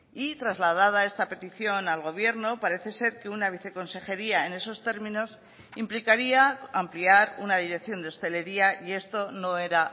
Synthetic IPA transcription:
it̪ɾazlað̞að̞ae̞st̪ape̞t̪iθjo̞nalɣo̞β̞je̞ɾno̞paɾe̞θe̞se̞ɾke̞unaβ̞iθe̞ko̞nse̞xe̞ɾiae̞ne̞so̞st̪e̞ɾmĩno̞s | implikaɾiaampliaɾunaðiɾe̞kθjo̞nd̪eost̪e̞le̞ɾiaie̞st̪o̞no̞e̞ɾa

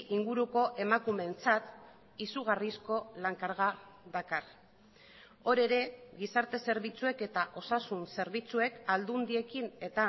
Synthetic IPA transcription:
ʔiŋɡuɾuko̞ʔe̞makume̞nt͡sat̪ | isuɣ̞arisko̞laŋkaɾɣaðakar | o̞ɾe̞ɾe̞ɣisaɾt̪e̞se̞ɾβit͡sue̞ke̞t̪aʔo̞sasunse̞ɾβit͡sue̞kald̪und̪ie̞kine̞t̪a

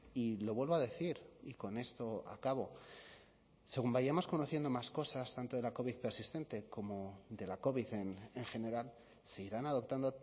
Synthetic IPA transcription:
ilo̞βwe̞lβo̞aðe̞θiɾiko̞ne̞st̪o̞a̰kaβo̞ | se̞ɣumbajamo̞sko̞noθjend̪o̞masko̞sast̪ant̪o̞ðe̞lako̞βiðpeɾsist̪e̞nt̪e̞ko̞mo̞ðe̞lako̞βiðe̞neŋxe̞ne̞ɾal | se̞iɾanaðo̞p̚t̪and̪o̞

